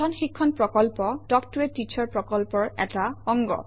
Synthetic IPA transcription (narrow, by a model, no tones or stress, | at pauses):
ɔnxikʰːɔnpɹɔkɔlpɔdɔktuetːit͡ʃʰɔɹpɹɔkɔlpɔɹɛ̰taɔŋɡɔ̰